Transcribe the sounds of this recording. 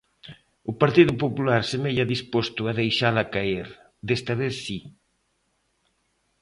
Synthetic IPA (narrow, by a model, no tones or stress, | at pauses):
ʊpaɾt̪iðʊpopulaɾsemeʎaðispost̪ʊaðejʃalakaeɾ | d̪est̪ɐβeθsi